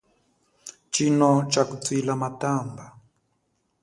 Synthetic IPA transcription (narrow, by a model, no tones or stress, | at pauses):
t͡ʃinɔt͡ʃakut͡silamatamba